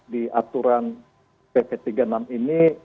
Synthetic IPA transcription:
diʔat̪uɾan | pepet̪iɡanamini

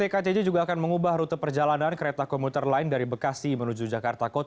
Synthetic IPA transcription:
ekat̪ed͡ʒed͡ʒuɡaːkanməŋubahɾut̪əpərd͡ʒalanankəɾet̪akɔmput̪ərlaɪndaɾibəkasimənud͡ʒud͡ʒakart̪akot̪

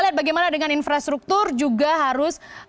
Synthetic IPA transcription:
liat̪̚baɡajmanadəŋaninfɾast̪ɾuk̚t̪ʊrd͡ʒuɡaɦaɾʊs

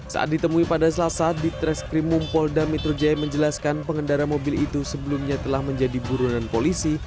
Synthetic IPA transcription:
sa̰ʔa̰t̪̚dit̪əmuipadasəlasadit̪ɾɛskɾimumpɔldamɛt̪ɾod͡ʒajməɲd͡ʒəlaskanpəŋəndaɾamobilit̪usəbəlumɲat̪əlahməɲd͡ʒadibuɾunanpolisi

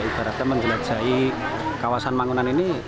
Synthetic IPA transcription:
ib̥a̤ɾat̪aməɲd͡ʒəlḁʒ̥a̤i | kawasanmaŋunanini

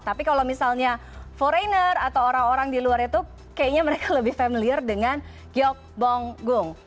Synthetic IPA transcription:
t̪apikalawmisalɲa | foɾajnərat̪awoɾaŋoɾaŋdiluaɾit̪u | kajaɲaməɾekaləbɪhfɛmiliərdəŋan | ɡiɔk̚bɔŋɡʊŋ

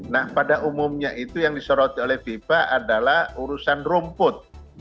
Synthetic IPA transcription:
nahpadaʔumʊmɲaʔit̪ujaŋdisoɾɔt̪iolɛhfifaʔadalahuɾusanrumpʊt̪̚

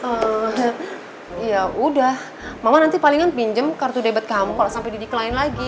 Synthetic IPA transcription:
ə | ijaudah | mamanant̪ipaliŋanpiɲd͡ʒəmkart̪udebat̪̚kamukalasampajdidikəlaɪnlaɡi

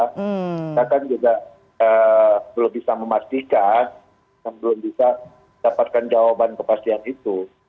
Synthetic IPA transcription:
it̪akand͡ʒuɡa | əbəlʊmbisaməmast̪ikan | jaŋbəlʊmbisa | dapat̪̚kand͡ʒawabankəpast̪ianit̪u

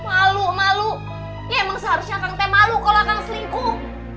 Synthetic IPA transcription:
malumalu | jaməŋsaɦaɾusɲak̪aŋt̪ɛmalukalonaŋsəliŋku

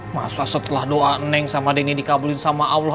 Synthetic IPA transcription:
ma̰sasət̪əlahdoʔaənɛŋsamadenidikabulɪnsamaʔawl

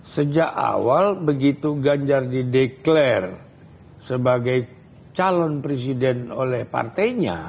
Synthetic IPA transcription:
səd͡ʒaka̰walbəɡit̪uɡaɲd͡ʒardideklɛr | səbaɡaj | t͡ʃalɔnpɾes̬idɛnolɛhpa̰rt̪ajɲa̰

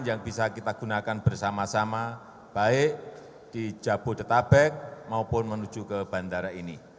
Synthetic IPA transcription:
njaŋb̥isakit̪aɡ̥unakanb̥ərsamasama | b̥aɪʔ | d̥i̥d͡ʒ̥ab̥ʊ̤d̪ət̪abɛk̚maupʊnmənud̥d͡ʒ̥ukəb̥andaɾaini

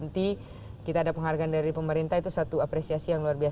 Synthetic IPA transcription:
nt̪i | kit̪aːdapəŋɦarɡaːndaɾipəməɾint̪aɦit̪usat̪uapɾesiasijaŋluarbia

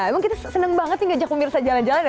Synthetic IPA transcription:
ɛmaŋkit̪asənəŋbaŋət̪jɪŋɡad͡ʒak̚pəmirsad͡ʒaland͡ʒalanja

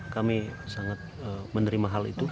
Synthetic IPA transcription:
kamisaŋat̪̚əmənəɾimaɦalḭt̪u

